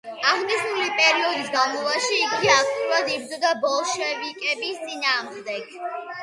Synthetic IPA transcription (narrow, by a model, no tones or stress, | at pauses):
aʁniʃnulipʼɛɾiɔd̪isɡavmɔvaʃiːɡiak̚ʰt̪ʼiuɾad̪ibzɔd̪abɔlˠʃɛvikʼɛbist̪sʼinaː | d̪ɛɡ̚